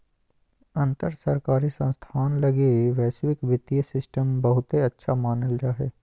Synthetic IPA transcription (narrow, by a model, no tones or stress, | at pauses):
ɐ̃nt̪əɾsəɾkaːɾisə̃nst̪ʰaːnlɐɡeʋɛːswɪkʋɪt̪ijəsɪsʈəmbɐɦʊt̪ɦeɐtːʃʰamaːnəld͡ʒaːɦeː